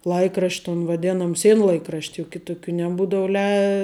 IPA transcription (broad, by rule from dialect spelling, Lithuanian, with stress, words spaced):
ˈlˠɐɪkrɐʃʲtʲ toːn ʋɐˈdʲæːnoːm ˈsʲiɛnlˠɐɪkrɐʃʲtʲ jʊk ˈkʲɪtʊkʲuː nʲɛˈbuːdɐʊ lʲɛɪ